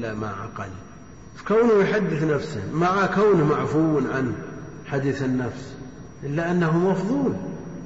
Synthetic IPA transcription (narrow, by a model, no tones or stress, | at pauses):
amaʕa̰qɑ̰li | fkawnʊjħad̪ːɪθnafsɪ̰hmaʕakawnmaʕfuwnʕan | ħad̪iːθɪnːafs | ʔɪlːaʔanːaɦumɑfðˤuːl